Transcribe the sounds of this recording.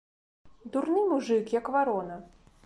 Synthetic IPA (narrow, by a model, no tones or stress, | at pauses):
d̪urnɨmuʐɨkjɐkvaɾɔnɐ